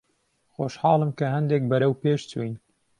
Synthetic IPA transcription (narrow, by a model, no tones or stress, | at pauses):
xoːʃhɑːlˠɨmkɐhɐnd̪eːk̚bɐɾɐwpeːʃt͡sʰujn